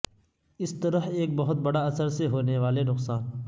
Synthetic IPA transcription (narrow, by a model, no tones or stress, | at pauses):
ɪst̪ɐɾəɦeːk̚bɐɦʊt̪̚bɐɽaɐsəɾseɦoːneʋaːlenʊqsaːn